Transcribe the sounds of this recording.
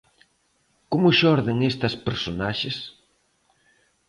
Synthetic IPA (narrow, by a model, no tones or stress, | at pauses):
komʊʃɔɾðɪŋest̪ɐspeɾsonaʃes